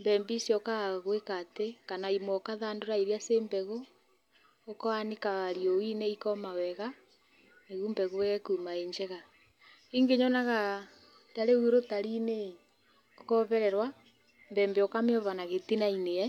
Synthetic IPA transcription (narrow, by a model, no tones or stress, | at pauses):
mbɛmbisjɔkaɣwekatekanaimwɔkaðaːndoɾaiɾiasembɛɣoː | kaanekaaɾiowineikɔmawɛɣa | neɣumbɛɣowɛɣɛkumaeɲd͡ʒɛɣa | iŋɡeɲɔnaɣa | taɾeuɾotaɾine | okɔβɛɾɛɾwa | mbɛːmbeɔkameɔβanaɣetinaineɛ